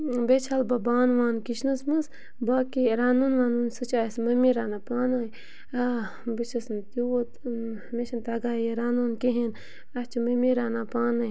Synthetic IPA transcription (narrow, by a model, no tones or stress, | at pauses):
bet͡ʃʰalbɐbaːnʋaːnkiʃnɐsmɐs | baːkiɾaːnuːnʋaːnuːnsɨt͡ʃaːsmɐmiɾaːnaːpaːnaːj | bit͡ʃʰɐsnt̪iwot̪ | meʃɐnt̪aːɡaːjeɾaːnoːnkeɦen | ɐst͡ʃʰimɐmiɾaːnaːpaːnɐː